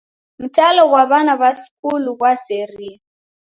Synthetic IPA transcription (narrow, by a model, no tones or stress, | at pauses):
mutʼalɔɣwaβanaβaskʼulukwaseriːa